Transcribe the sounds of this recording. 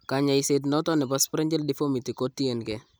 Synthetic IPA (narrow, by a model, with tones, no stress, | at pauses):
ka˨ɲa˨jset̬nɔtɔ˦nɛ˨paspɾɛ˦ɲd͡ʒɛ˦ldi˦fo˦mi˨ti˨ko˦ti˦e˨nkɛ˨